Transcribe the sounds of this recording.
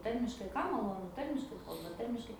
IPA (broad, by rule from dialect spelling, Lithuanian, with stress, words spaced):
ˈtɐrʲmʲɪʃkɐɪ ˈkɐm mɐˈlˠoːnʊ ˈtɐrʲmʲɪʃkɐɪ ˈkɐlˠbɐ ˈtɐrʲmʲɪʃkɐɪ